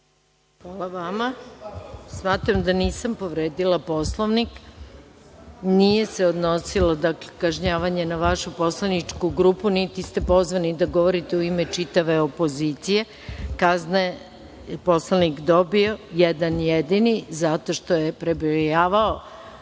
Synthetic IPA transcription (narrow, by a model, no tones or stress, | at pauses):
xʋalˠaʋama | smaːt̪ɾamd̪aniːsampo̞ʋɾeːd̪ilˠapo̞slˠoʋnik | nije̞se̞od̪nosilad̪aklekaʒɲaːʋaɲe̞naʋaʃupo̞slˠanit͡ʂkuɡɾuːpunit̪ist̪epo̞zʋanid̪aɡo̞ʋoɾit̪e̞uimet͡ʃit̪aʋe̞opo̞zit̪sije | kaznae | po̞slˠanikd̪obio̞jɛd̪anjed̪inizat̪o̞ʃt̪ojepɾebijaːʋao